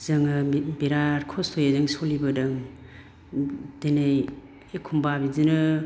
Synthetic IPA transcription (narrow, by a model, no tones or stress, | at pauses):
z̥ɯŋɯbiɾaɾkʰɔstʰojezɯŋsolibɯdɯŋ | denej | ekʰumbabizinɯ